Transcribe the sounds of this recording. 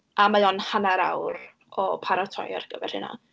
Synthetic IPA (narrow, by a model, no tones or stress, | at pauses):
amajɔnhanaɾawɾ | ɔpʰaɾatʰɔ̰ja̰rɡ̥əvɛ̰rhɪ̰na̰